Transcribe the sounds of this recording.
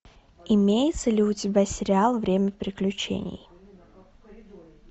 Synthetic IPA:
ɪmʲejɪt̪səlʲɪʊtʲɪbʲasʲɪɾʲɪalˠvɾʲemʲəfpɾʲɪklʲʉt͡ɕḛnʲɪ̰j

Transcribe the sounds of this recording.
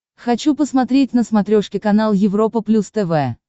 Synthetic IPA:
xɐt͡ɕupəsmɐt̪ɾʲetʲnəsmɐt̪ɾʲoʂkʲɪkɐnalˠjɪvɾo̞pəplʲust̪ɛvɛ

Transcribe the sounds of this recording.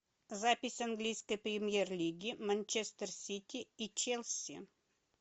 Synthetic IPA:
zapʲɪsʲɐnɡlʲijskəjpɾʲɪmʲjerlʲiɡʲɪmɐnʲt͡ɕest̪ərsʲitʲiit͡ɕelʲˠsʲḭ

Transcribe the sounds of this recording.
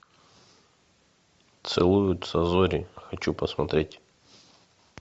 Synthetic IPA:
t̪sɨlˠujʊt̪sɐzɔɾʲɪxɐt͡ɕupɐsmɐt̪ɾʲetʲ

